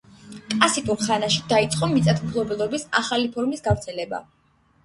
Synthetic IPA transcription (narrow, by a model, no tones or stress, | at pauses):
kʼlasit̪ʼuɾχanaʃid̪ait̪sʼqʼɔmit̪sʼat̪ʰmɡʰlˠɔbɛlˠɔbisa̰χalipʰɔɾmisɡavɾt̪sʰɛlɛba̰